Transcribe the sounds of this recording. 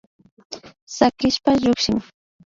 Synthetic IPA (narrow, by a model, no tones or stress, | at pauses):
sakɾɪʃpaʎʊkʃɪŋ